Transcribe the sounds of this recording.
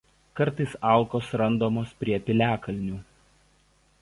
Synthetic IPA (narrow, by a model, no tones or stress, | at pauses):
kɐɾˑt̪ɐɪsɑˑlˠkoːsɾɐnd̪oːmoːspʲɾʲiɛpʲɪlʲæːkɐlʲnʲuː